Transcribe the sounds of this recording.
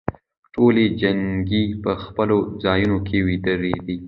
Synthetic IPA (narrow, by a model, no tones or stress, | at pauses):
ʈoled͡ʒaŋɡipəxpəlod͡zɑjunokʰewid̪əɾed̪i